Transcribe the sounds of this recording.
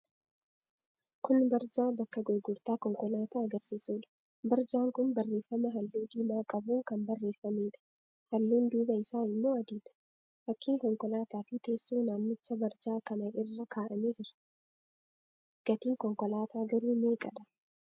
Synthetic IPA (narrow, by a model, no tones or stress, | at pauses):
kʊnbɐɾd͡ʒaːbɐkːɐɡɔɾɡʊɾt̪aːkɔŋkɔlaːt̪aːɐɡɐɾsiːsuːᶑɐ̥ | bɐɾd͡ʒaːŋkʊnbɐrːeːfːɐmɐɦɐlːuːd̪iːmaːkʼɐbuːŋkɐmbɐrːeːfːɐmeːᶑɐ̥ | hɐlːuːnd̪uːbɐɪsaːɪmːoːɐd̪iːd̪ɐ̥ | fɐkːiːŋkɔŋkʼɔlaːt̪aːfɪt̪eːsːuːnaːmːɪt͡ʃːɐbɐɾd͡ʒaːkɐnɐʔɪrːɐkʰaːʔɐmeːd͡ʒɪɾɐ̥ | ɡ̥ɐt̪iːŋkɔŋkɔlaːt̪aːɡɐɾuːmeːkʼɐ̰ᶑ̪ɐ